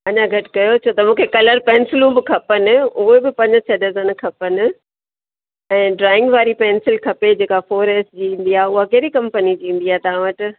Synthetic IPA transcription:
ɐɲãɡʱɐʈɪ̥kɐjot͡ɕʰoːt̪ɐmũːkʰekɐləɾpɛ̃ːnsɪlũbɪkʰɐpənɪ̆ʊɦebɪpɐ̃ɲd͡ʑsʰɐɖɐzənkʰɐpənɪ̆ | ɛ̃ːɖɾaːɪ̃ŋɡʋaːɾipɛːnsɪlkʰɐped͡ʑeːkafoːɾeːsd͡ʑiĩːn̆d̪iaːɦʊɦakeːɾikɐ̃mpənid͡ʑĩːn̆d̪iaːɦet̪aãʋəʈɪ̆

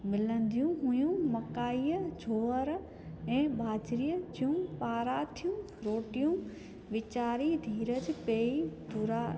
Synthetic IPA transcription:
mɪlə̃nd̪ijũɦʊ̃jũmɐkaːiːəd͡ʑʱoːəɾ | ɛ̃ːbaːd͡ʑɾijəd͡ʑijũpaːɾaːt̪ʰijũ | ɾoːʈijũ | ʋɪt͡ɕaːɾid̪ʱiːɾəd͡ʑpeːid̪ʱʊɾa

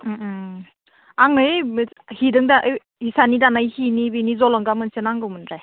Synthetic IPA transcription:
m̩ | aŋɯj | hidɯŋdaʔɯj | hisanidanajhinibinizɔlɔŋɡamɯnsenaŋɡɯwmɯnɾaj

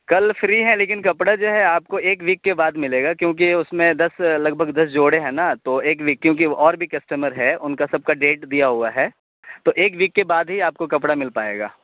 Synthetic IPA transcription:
kɐlfɾiɦɛ̃leːkɪnkɐpɽad͡ʒoːɦɛaːp̚koeːkʋiːkːebaːd̪mɪleːɡakjõːk̬iʊsmẽd̪ɐslɐɡ̚bʱəɡd̪ɐsd͡ʒoːɽeɦɛ̃ːnat̪oeːkʋiːkːjõːkiʔɔːɾbʱikɐsʈəməɾɦɛʊnkasɐb̚kaɖeːʈd̪ijaɦuaɦɛː | t̪oʔeːkʋiːkːebaːd̪ɦiaːp̚kokɐpɽamɪlpaːḛːɡa̰ː

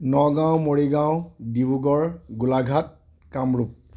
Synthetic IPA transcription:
nɔɡãw̃moɹiɡãʊ̃dibuɡɔɹɡulaɡʱat̚ | kamɹup̚

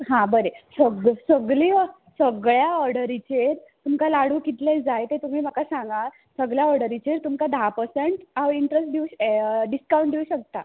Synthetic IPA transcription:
ɦãbəɾesəɡsəɡɭiː | səɡɭjaɔɾɽəɾit͡ɕeɾt̪umkalaɽ̤uːkit̪led͡zajt̪et̪um̤iːm̤akasãŋɡa | səɡɭjaɔɾɽəɾit͡ɕeɾt̪umkad̪ʱapəsəɳʈaʋiɳʈɾesʈ̚d̪iuɕɖiskawɳʈd̪iuɕək̚t̪a̰

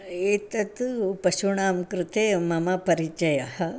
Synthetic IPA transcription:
et̪ɐt̪pɐɕuɳaːmkɾɨt̪emɐmapɐɾit͡ʃɐjahɐ

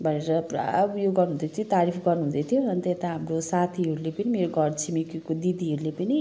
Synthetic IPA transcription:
bʱʌneɾʌpra̰bjoɡʌrnũd̪ʌt̪ʰjt̪aɾipʰɡʌrnuɦũd̪ʌt̪ʰijoʌnt̪et̪aɦamrosat̪ʰiɦʌɾulepʌnimeɾoɡʌrt͡sʰimikikod̪id̪iɦʌɾulepʌni

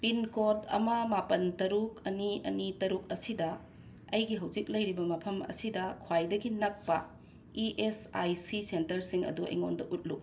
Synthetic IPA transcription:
pinkodɐ̰mɐmapɐntɐɾuk̚ɐniɐ̰nitɐɾuk̚ɐsidɐ | ɐjɡiɦɐwd͡ʒik̚lɐjɾibɐmɐpʰɐmɐ̰sidɐkʰwajdɐɡinɐk̚pɐ̰ | iʔesajsisentɐɾsiŋɐ̰duɐ̰jŋondɐʔut̚lu

